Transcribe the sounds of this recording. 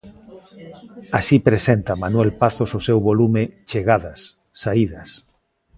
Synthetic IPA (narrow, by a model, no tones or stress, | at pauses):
asipɾesent̪amanwɛlpaθososewβolumet͡ʃeɣaðasː | aiðɐs